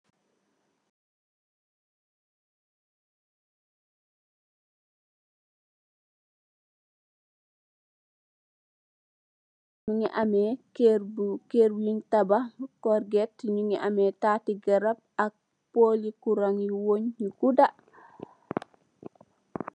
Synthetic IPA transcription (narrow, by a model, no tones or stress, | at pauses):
ɲuŋiʔamɛkebkeɾwintabakɔɾɡɛtɲuŋiʔamɛtaːtiɡaɾap̚ak̚ | polikuɾaŋiwoɲːuɡuda